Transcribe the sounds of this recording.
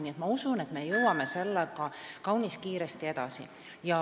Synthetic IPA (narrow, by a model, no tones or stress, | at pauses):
nʲiet̪mɑusune̞t̪me̞jɤwɑme̞se̞lːekɑkɑwnʲiskiːɾest̪ie̞d̪̥ɑsḭ | jɑ